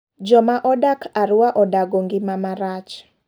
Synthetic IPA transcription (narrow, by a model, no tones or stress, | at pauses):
d͡ʒɔmaʔɔdakʰaɾʊwaʔɔdaɡoŋɡɪmamaɾat͡ʃ